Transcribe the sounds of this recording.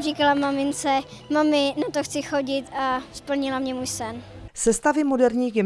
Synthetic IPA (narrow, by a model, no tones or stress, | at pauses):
riːkalamamɪnt͡sɛmamɪnat̪oxt͡sɪxo̞ɟɪt̪ʔaspl̩ɲɪlamɲɛmuːjsɛnsɛst̪avɪmodɛɾɲiːɡ